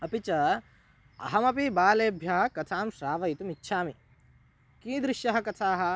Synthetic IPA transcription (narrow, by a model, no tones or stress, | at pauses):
ɐpit͡ʃɐ | ɐ̰ɦɐmɐpibaːleːbʱjɐɦɐ̆kɐt̪ʰaːmʃɾaːʋɐjt̪umitːʃʰaːmi | kĩːd̪ɾɪʃjɐɦɐ̆kɐt̪ʰaːɦɐ̆